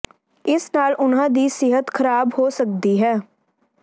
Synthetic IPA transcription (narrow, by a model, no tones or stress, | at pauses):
ɪsnaːlʔʊnãːd̪iːsɪɦət̪kʰəɾaːbhoːsək̚d̪iːɦɛː